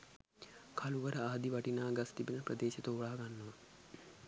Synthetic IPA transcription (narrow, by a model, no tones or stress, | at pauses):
kʰaluʋəɾəaːd̪iʋaʈinaːɡast̪ibinəprəd̪eːʃet̪oːɭaːɡanːɐʋa